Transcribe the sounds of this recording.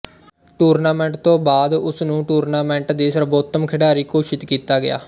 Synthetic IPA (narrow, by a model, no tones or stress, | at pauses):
ʈuːɾnaːmɛ̃ːɳʈt̪õːbaːd̪ʊsnũːʈuːɾnaːmɛ̃ːɳʈd̪eːsəɾboːt̪əmkʰɪɖaːɾiːkoːʃɪt̪kiːt̪aːɡɪja̰ː